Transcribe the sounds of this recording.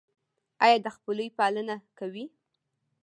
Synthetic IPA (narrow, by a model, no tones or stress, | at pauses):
ɑjɑd̪əxpələjpɑlənakawi